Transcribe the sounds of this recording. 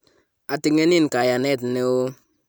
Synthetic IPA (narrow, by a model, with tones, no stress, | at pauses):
a˨ti˦ŋe˦ni˦˨n˨ka˨ja˨ne˦˨tne˦wo˦